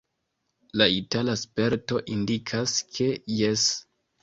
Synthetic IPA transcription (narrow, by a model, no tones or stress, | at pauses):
laitalaspe̞ɾto̞ʔindikʰaskʰe̞je̞s